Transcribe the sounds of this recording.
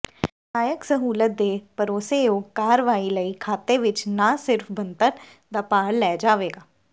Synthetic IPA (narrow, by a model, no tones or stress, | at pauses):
saːjəksəɦuːlət̪̚d̪eːpəɾoːseoːkaːɾəʋaːiləiːkʰaːt̪eʋɪt͡ʃnaːsɪɾfbənt̪əɾ | d̪aːpaːɽlɛːd͡ʒaːʋeːɡaː